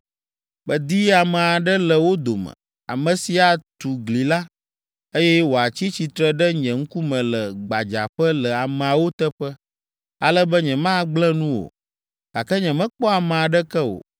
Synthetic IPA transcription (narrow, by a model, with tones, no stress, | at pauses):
bə˨d̪i˦a˨mɛ˨a˨ɖə˦lə˨wo˦d̪o˨mɛ̰̃˨ | a̰˨mə̃˨si˨a˨t̪u˨ɡli˨la˦ | e˦jɛ˦wo˨a˨t͡ɕi˦t͡ɕi˨t̪ɾə˦ɖɛ˦ɲɛ̃˨ŋ̩˦ku˦mɛ̃˨lə˨ɡ͡ba˨d͡ʒa̰˨ɸə˦lə˨a˨mɛ̃˨a˨wo˦t̪ə˦ɸə˦ | a˨lə˦bə˦ɲɛ̃˨mã˦ɡ͡blɛ̃˦nũ˦wo̰˨ | ɡa˨kɛ˦ɲɛ̃˨mɛ̃˦k͡pɔ˦a˨mɛ̃˨a˨ɖɛ˦kɛ˦wo̰˨